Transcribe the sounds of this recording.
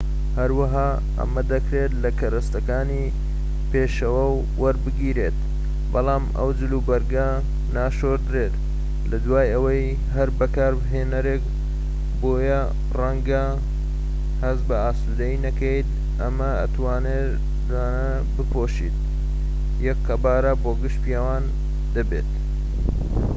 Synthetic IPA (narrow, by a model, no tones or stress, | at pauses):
hɐɾwɐɦaː | ɐ̰mɐd̪ɐkɾet̪lɐkʰɐɾɐst̪ɐkaːni | peːʃɐwɐwːɐɾbɨɡiːɾeːt̪̚ | bɐlˠaːmɐ̰wd͡ʒɨluːbɐɾɡɐ | naːʃoːɾd̪ɾeːt̪ | lɐd̪waːjɐwɐj | ɦɐɾbɐkaːɾbɦeːnɐɾek | boːjɐ | rɐŋɡɐ | hɐzbɐaːsuːd̪ɐinɐkejt̪ | ʔɐmɐɐ̰t̪waːne | daːnɐ | bɨpʰoːʃḭːt̪̚ | jɛkkːɐbaːɾɐboːɡɨʃpjawaːn | d̪ɐbḛːt̪̚